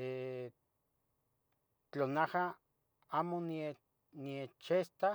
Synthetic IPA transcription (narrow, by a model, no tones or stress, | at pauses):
e | t͡ɬonaha | aːmonie | niet͡ʃest̪a